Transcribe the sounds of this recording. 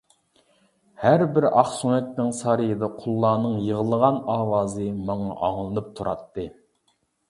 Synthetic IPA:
hæɾbɪɾɑχsunɛt̪nɪŋsɑɾɨjɨd̪ɑqʰʊlˠːɑːnɨŋjəʁəlˠəʁɑnɑːwɑːzɨmɑŋɑʔɑŋlˠɨnɨp̚t̪ʰuɾʔɑ̰t̪ʰːɨ

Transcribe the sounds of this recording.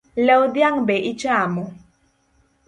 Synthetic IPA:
lɛwd̪jaŋbɛʔit͡ʃamɔ

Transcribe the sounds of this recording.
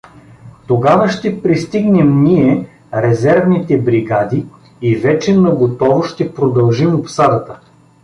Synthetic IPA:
t̪oɡavəʃt̪ɛpɾist̪iɡnɛmniɛ | ɾɛzɛɾvnit̪ɛbɾiɡad̪iː | vɛt͡ʃɛnɐɡot̪ɔvʊʃt̪ɛpɾod̪ɐlˠʒimopsad̪ət̪ə

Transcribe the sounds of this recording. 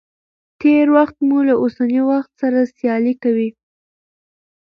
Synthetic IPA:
t̪eɾwaxt̪mulaʔosaniwaxt̪saɾasjɑlikawi

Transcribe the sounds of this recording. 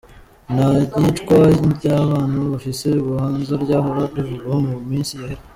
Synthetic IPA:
naɟit͡ʃkwaɟaβaːnhuβafiseuβuhaːnzaɾɟaːɦoɾaɾiʒuɡomumiːnsijaheɾe

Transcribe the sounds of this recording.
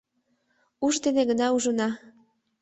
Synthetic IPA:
uʒd̪eneɣənɑuʒənɑ

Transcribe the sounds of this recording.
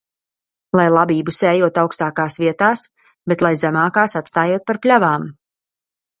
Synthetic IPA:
lˠajlˠabiːbusɛːjuɔt̪awkst̪aːkaːsviɛt̪aːs | bet̪lˠajzæmaːkaːsat̪st̪aːjuɔt̪̚paɾplʲavaːm

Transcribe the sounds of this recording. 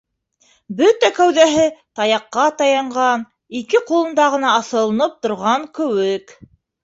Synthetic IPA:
bɵt̪ækæwðæɦɘt̪ɑjɑqːɑt̪ɑjɑɴʁɑn | ikɘqulˠɤ̆nd̪ɑʁɤ̆nɑɑθɤ̆lˠɤ̆nɤp̚t̪ŏɾʁɑŋkɵ̆wɘk

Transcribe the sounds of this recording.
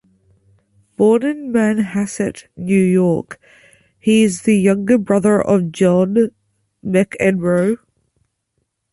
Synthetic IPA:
b̥ɔːnə̃nmãnhasɪʔnjʉjɔɹk | hiɪzðəjʌ̃ŋɡəbɹʌðə˞ʔəvd͡ʒɔn | mɪkʰɛdɹoʊ

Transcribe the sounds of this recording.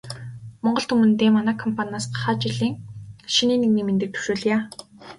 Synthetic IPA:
mɔɴɢɞ̆ɬt̪umɘ̆nt̪eːmːanæːkʰɔmpʰanaːsɢḁχaːt͡ɕiɮiːŋʃiniːniɣniːment̪ɘ̆k̚t̪ʰu̥ʃoːɮ̆jaː

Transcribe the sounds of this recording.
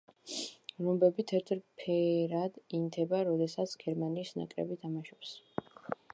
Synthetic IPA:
ɾɔmbɛbit̪ʰɛɾt̪ʰʼɾpʰɛɾad̪int̪ʰɛbaɾɔd̪ɛsat̪sʰɡ̥ɛɾmaniːsna̰kʼɾɛ̰bit̪ʰamaʃɛps

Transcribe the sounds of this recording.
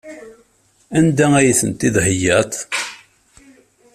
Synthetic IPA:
ænd̪ææjiθənt̪ːiðhəjːæt̪ˤ

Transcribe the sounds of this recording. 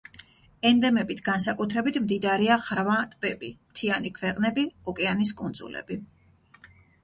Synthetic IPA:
ɛnd̪ɛmɛbit̪ʰɡansakʼut̪ʰɾɛbit̪ʰmd̪id̪ɾiaχɾvat̪ʼpʼɛbimt̪ʰianikʰvɛqʼnɛbiɔkʼɛanis̬kʼunzṵlɛ̰bi

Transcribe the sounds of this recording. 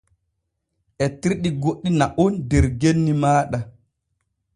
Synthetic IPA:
ʔɛtiɾɗiɡoɗːinaʔɔndɛɾɡenːimaːɗa

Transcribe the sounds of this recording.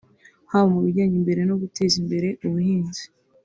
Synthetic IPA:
haβomuβiɾɟaːɲimbe̞ɾe̞no̞ɡutʰe̞ːzimbe̞ɾe̞ʔuβuhiːnzi̥

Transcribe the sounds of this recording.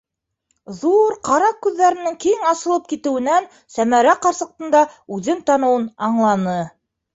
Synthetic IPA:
ðuɾqɑɾɑq̚kːʉðːæɾɘ̆nɘŋkiŋɑsɤ̆lˠɤp̚kit̪ɘ̆wɘ̆næn | sæmæɾæqɑɾsɤ̆q̚t̪ɤ̆nd̪ɑʉðɘnt̪ɑnɤ̆wɤnɑɴlˠɑnɤ

